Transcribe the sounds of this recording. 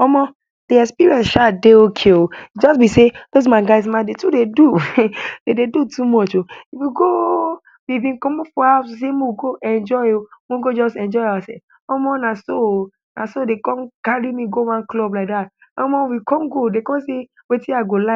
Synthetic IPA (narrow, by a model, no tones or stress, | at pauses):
ɔmɔ | d̥eɛspiɹiɛ̃nsʃadeokʰeod͡ʒɔsbisedoz̬mãnɡaɪz̬mãndetudedudededutʰumɔt͡ʃoifwiɡo | wibĩnkɔmɔfɔasos̬emowɡoʔɛ̃nd͡ʒɔɪomoɡod͡ʒɔsɛ̃nd͡ʒɔɪawasɛ̰ | ɔmɔnaso | na̰sodekɔ̃nkaɹimiɡowãnklɔblaɪk̚datɔ̰mɔwikɔ̃nɡodekɔ̃nse | wetĩaɡola